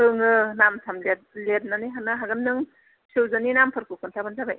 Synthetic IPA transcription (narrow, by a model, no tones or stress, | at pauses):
ɯŋɯnamtʰamle | let̚naniɦanɯɦaɡɯnnɯŋ | sɯwzɯninampʰɯɾkʰɯkʰɯntʰabɯnzabaj